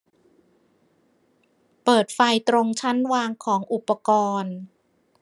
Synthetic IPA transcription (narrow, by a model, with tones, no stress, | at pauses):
pɤː˨˩t̪̚fa˧jt̪ɾo˧ŋt͡ɕʰa˦˥nwaː˧ŋkʰɔː˩˦ŋʔu˨˩pːa˧kɔː˧n